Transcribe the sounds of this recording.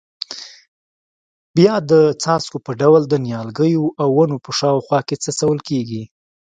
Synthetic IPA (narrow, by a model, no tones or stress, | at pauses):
bjɑd̪ət͡sɑskopəɖawld̪ənjɑlɡəjoʔawːanopəʃɑwxwɑket͡səsawəlkeɡi